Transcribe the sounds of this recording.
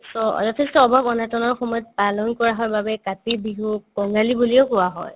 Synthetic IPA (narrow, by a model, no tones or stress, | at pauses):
sɔ̰zɔtʰɛstɔːbʱabɔnatɔnɔɹxɔmɔjɔt̚palɔnkɔɹaɦɔjbabɛkatibiɦukɔŋɡalibuliɔʊkʊwaɦɔ̰j